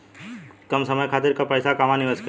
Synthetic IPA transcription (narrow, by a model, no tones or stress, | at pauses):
kɐmsɐməjkʰaːt̪ɪɾkapɐjsakaːmanɪʋəsk